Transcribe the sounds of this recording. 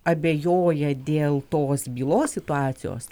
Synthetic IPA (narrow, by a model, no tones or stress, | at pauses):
ɐbʲejoːjɛd̪ʲeːlˠt̪oːsbʲiːlˠoːsʲsʲɪt̪ʊɑːt͡ssʲɪjo̰ːs